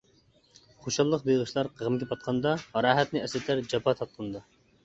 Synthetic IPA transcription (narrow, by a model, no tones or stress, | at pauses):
χoʃɑlˠːəqbeʁəʃlˠɑɾqʰəʁəmɡʲɛpʰɑt̪̚qʰɑnd̪ɑɑɾɑːɦɛt̪nɪɛslɪt̪ʰæɾd͡ʒɑpɑt̪ʰɑt̪̚qʰɑnd̪ɑ